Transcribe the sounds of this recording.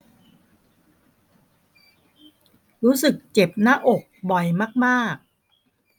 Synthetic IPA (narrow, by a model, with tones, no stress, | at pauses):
ɾuː˦˥sɯ˨˩k̚t͡ɕe˨˩p̚naː˥ʔo˨˩k̚bɔ˨˩jmaː˥˩k̚maː˥˩k̚